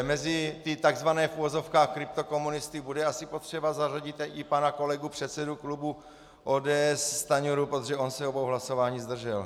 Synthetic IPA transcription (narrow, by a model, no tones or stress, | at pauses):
mɛzɪt̪ɪt̪aɡzvanɛːfuvozo̞fkaːxkɾɪp̚t̪o̞ko̞munɪst̪ɪbudɛasɪpo̞t̪r̥ɛbazaraɟɪt̪ɪpanako̞lɛɡupr̝̥ɛt̪sɛduklubu | ʔoːdɛːɛsːt̪aɲuɾupɾot̪oʒɛonsɛobowɦlaso̞vaːɲiːzd̪r̩ʒɛl